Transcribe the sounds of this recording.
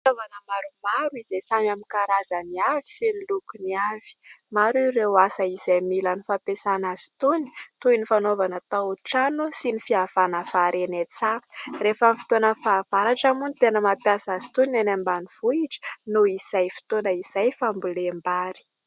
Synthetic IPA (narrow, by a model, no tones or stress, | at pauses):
novanəmaɾumaɾuizesamamikaɾazaniavi̥sinilukuniav̥i̥maɾirewasəizejmilanifapesanazi̥t̪uni̥t̪uinifanovanət̪aʈ͡ʂanusinifiav̥anəfaɾenet͡sarefamifi̥t̪onəfaːv̥aɾaʈ͡ʂamunit̪enəmapjasazi̥t̪uninanambaniv̥uiʈ͡ʂə̥nuiz̥ajfi̥t̪onəiz̥ajfambulembaɾi̥